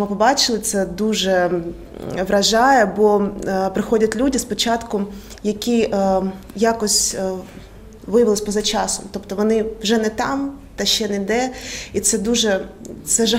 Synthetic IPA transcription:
mɪpɔbɑt͡ʃɪlˠɪt̪sɛd̪uʒɛ | ʋɾɐʒɑjɛbɔpɾɪxɔdʲɐtʲlʲudʲispɔt͡ʃɑt̪kʊjɐkʲi | jakɔsʲ | ʋɪjɐʋɪlˠɪsʲpɔzɐt͡ʃɑsɔmt̪ɔpt̪ɔʋɔnɪwʒɛnɛt̪ɑmt̪ɐʃt͡ʃːɛnɛd̪ɛit̪sɛd̪uʒɛt̪sɛʒɐ

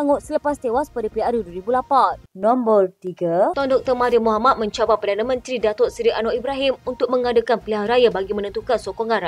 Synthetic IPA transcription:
aŋʊt̪sələpast̪ewaspadapeaɾjuduəɾibulapannɔmbərt̪iɡat̪ɔndɔk̚t̪ɔrmaɾimuɦamat̪̚mə̃ɲt͡ʃabat̚pərdanamə̃nt̪ɾidat̪ɔsɾiʔanoʔibɾaɦimunt̪ʊk̚məŋadakanpiliɦaɾajabaɡimə̃nənt̪ukansokoŋãnra

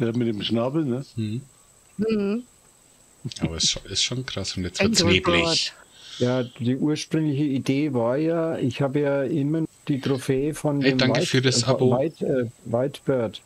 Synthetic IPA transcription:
jaːmɪt̚demʃnaːbl̩nəh̩ | h̩ | ʔa̰ːbɐsʃoɪstʃoːnkʁ̥asʊntjɛt͡svɪɐeːblɪçjaːd̥iːʔuːɐʃpʁ̥ʏŋlɪçəideːvaːɐjaːɪçhaːbəjaːʔɪmɐnd̥iːtʁ̥ofeːfɔndɛeːmdaŋakəɪfyːɐdasʔaovaɪtɛːvaɪtb̥œɐt

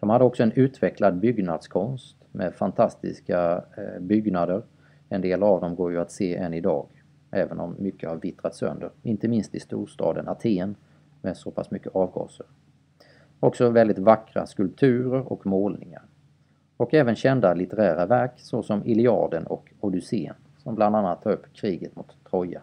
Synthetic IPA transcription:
d̪̥ɔmhad̪ːəɔksɔɛnʉ̟ːt̪vɛklad̪̚bʏɡnad̪skʰɔnst̪mɛfant̪ʰast̪ɪ̰skabʏɡnad̪əɾ | ɛnd̪eːlavd̪ɔmɡoːɾjɵat̪seːʔɛnːɪd̪ɑ̰ːɡ | ʔɛːvənɔmːʏkʰːəhaɾvɪt̪ɾat̪sœ̰nd̪əɾɪnt̪əmɪnst̪ɪst̪ṵːʂt̪ɑ̰ːd̪ənat̪ʰeːn | mɛsɔpʰasmʏkːəʔɑːvɡɑ̰ːsəɾ | ɔksɔvɛld̪ɪt̪vakɾa̰skɵlp̚t̪ʰʉ̟ːɾəɾɔ̰kmoːlnɪŋa̰ɾ | ɔkɛːvənɕɛnd̪alɪt̪əɾæːɾavæɾksɔsɔmɪlɪɑ̰ːɖ̪ənɔ̰k | ɔd̪ʉseːn | sɔmbland̪anːat̪ʰːɑːɾɵpːkʰɾiːɡət̪mʊt̪ʰːɾɔjːa̰

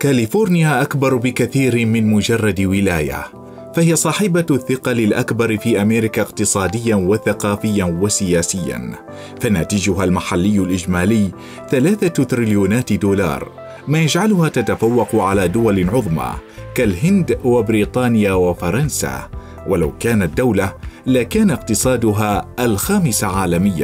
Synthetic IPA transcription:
kalɪfoːɾnɪjaʔakbɑɾˤbɪkaθiːɾmɪnmʊd͡ʒɑrˤːɑd̪wɪlaːja̰ | fahɪjasˤɑːħɪbaθːɪqɑlɪlʔakbɑɾˤfiːʔameːɾɪkaɪqt̪ɨsˤɑːd̪ɪjːawaθaqɑːfɪjːanwasɪjaːsɪjːa̰n | fanaːt̪ɪd͡ʒʊɦalmaħalːɪjːʊlʔɪd͡ʒmaːlɪjː | θalaːθat̪ɾɪljuːnaːt̪d̪uːlɑ̰ːɾˤ | maːjad͡ʒʕalʊhaːt̪at̪afawːɑqʊʕalaːd̪ʊwalɪʕʊðˤmɑ̰kalɦɪnd̪wabɾiːt̪ˤɑːnɪjaːwafɑɾˤɑnsa̰ː | wala̰wkaːnat̪̚d̪ːawlalakaːnaqt̪ɨsˤɑːd̪ʊɦaːʔalxaːmɪsaʕaːlamɪjːa̰

